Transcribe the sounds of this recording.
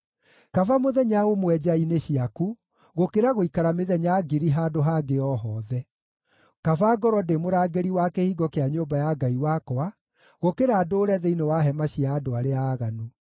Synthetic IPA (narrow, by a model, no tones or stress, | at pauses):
kafamoðɛɲaomwɛd͡ʑaineɕiaku | ɣokeɾaɣoikaɾameðɛɲaɡiɾiɦaːdoɦaɡeɔɦɔːðɛ | kafaɡɔɾɔdemoɾaɡeɾiwakehiːɡɔkeaɲombajaɡaiwakɔa | ɣokeɾaːdoːɾɛðɛinewaɦɛmaɕiaːdoaɾeaːɣanu